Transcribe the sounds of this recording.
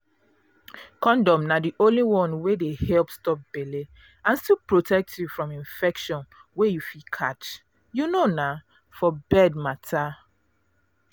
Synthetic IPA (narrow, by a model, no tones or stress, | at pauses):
kɔ̃ndɔ̃mnadiʔõnliwɔ̃nwedehɛlpstɔp̚b̥ele | ãnstilpɹotʰɛk̚tʰjufɹɔ̃mĩnfɛkʃɔ̃nwejufikʰat͡ʃ | junona | fɔbɛd̚matʰa